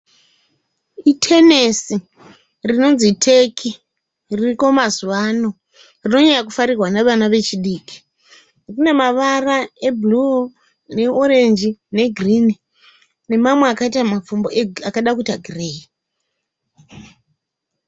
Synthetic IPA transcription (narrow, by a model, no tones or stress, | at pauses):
itʰe̞nesi | rino̞nzitʰe̞kʰi | ririko̞mazuʋaːno̞ | rino̞ɲejakufaɾirwaneʋanaʋe̞t͡ʃiɗiːki̥ | rine̞maʋarae̞bʱlu | ne̞oɾe̞nd͡ʒine̞ɡʱrini | ne̞mamweakaitamap͡fumboeakaɗakutaɡʱireːi